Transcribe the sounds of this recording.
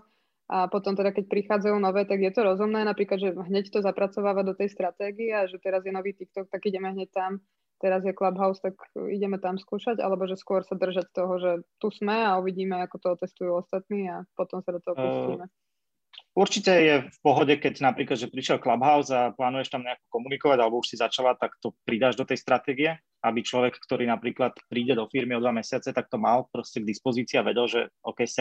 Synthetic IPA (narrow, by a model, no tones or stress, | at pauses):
ʔapɔt̪ɔmt̪ɛd̪akɛc̚pɾixaːd͡zajuːnɔʋɛːt̪aɡjɛt̪ɔɾɔzumnɛːnapɾiːklad̪ʒɛɦɲɛct̪ɔzapɾat͡sɔʋaːʋad̪ɔt̪ɛjst̪ɾat̪ɛːɡiɛaʒɛt̪ɛɾazjɛnɔʋiːt̪ikt̪ɔk̚t̪aɡiɟɛmɛɦɲɛc̚t̪am | t̪ɛɾazjɛklabɦaʊst̪akḭɟɛmɛt̪amskuːʃaɟa̰lɛbɔʒɛskʊɔɾsad̪r̩ʒact̪ɔɦɔʒɛt̪usmɛauʋiɟiːmɛakɔt̪ɔɔt̪ɛst̪ujuːɔst̪at̪niːapɔt̪ɔmsad̪ɔt̪ɔɦɔuimɛ | uɾt͡ʃicɛjɛfpɔɦɔɟɛkɛɟnapɾiːklad̪ʒɛpɾiʃjɛlklabɦaʊzaplaːnujɛʃt̪amɲɛakɔ̥kɔmunikɔʋaɟalɛbɔuʃsizat͡ʃalat̪akt̪ɔpɾid̪aːʒd̪ɔt̪ɛjst̪ɾat̪ɛːɡiɛ | abit͡ʃlɔʋɛkːt̪ɔɾiːnapɾiːklat̪pɾiːɟɛd̪ɔfiɾmiɔd̪ʋamɛsɪat͡sɛt̪ak̚t̪ɔmalpɾɔscɛɡ̚d̪ispɔziːt͡siaʋɛɟɛlʒɛɔ̰kɛjsa